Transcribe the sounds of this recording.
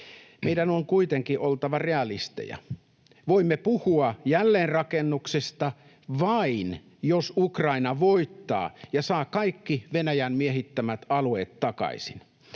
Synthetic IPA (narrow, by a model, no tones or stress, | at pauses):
meidænoŋkuit̪eŋkiʔolt̪ɑʋɑreɑlist̪ḛjɑ̰ | ʋoimːepuhuɑjælːeːnrɑkenːuksest̪ɑ | ʋɑin | josukrɑinɑʋoit̪ːɑ̰ːjɑsɑːkɑikːiʋenæjæmmieɦit̪ːæmæt̪ɑlueːt̪tɑkɑ̰isin